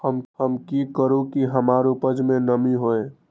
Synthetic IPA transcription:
həmhəmkikəɾukiɦəmaɾupəd͡ʒmenəmiɦoe

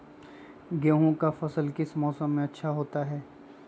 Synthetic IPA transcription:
ɡeːɦõkafɐsəlkɪsmɔːsəmːẽɐtːʃʰaɦoːt̪aɦɛː

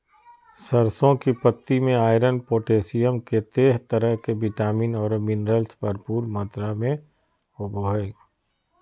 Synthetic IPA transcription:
səɾsõkipət̪ːimẽaːɪɾənpoːʈeːsijəmket̪eːɦt̪əɾəɦkebɪʈaːmiːnɔːɾminɾəlspɐɾpuːɾmaːt̪ɾamẽ | oboɦɛː

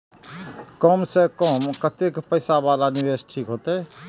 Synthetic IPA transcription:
kəmsẽkəmkət̪ekpəjsabalanibesʈʰikɦot̪ɛ

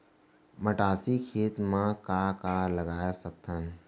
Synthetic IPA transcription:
məʈaːsikʰeːt̪mãkakaləɡaːjasək̚t̪ən

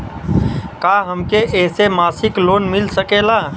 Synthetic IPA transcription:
kaːɦəmkeʔɛːsemaːsɪkloːnmɪlsəkeːlaː

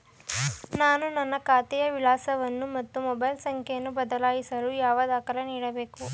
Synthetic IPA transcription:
naːnunɐnːɐkaːt̪ɛjɐʋilaːsɐʋɐnːumɐt̪ːumɔbɐjlsɐŋkʰɛjɐnːubɐd̪ɐlaːjisɐlujaːʋɐd̪aːkɐleniːɽɐbe̞ːku

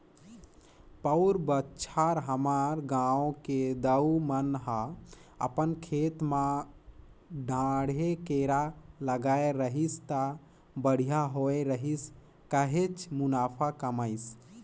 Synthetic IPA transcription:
pəʊɾbətːt͡ʃʰaɾɦəmaɾɡãõked̪əwmənɦãə̰pənkʰet̪mã | ɖʱãɽekeɾaləɡaeɾəɦist̪ə | bəɽ̤ijaɦoeɾəɦis | kəɦet͡ʃmunapʰakəməɪs

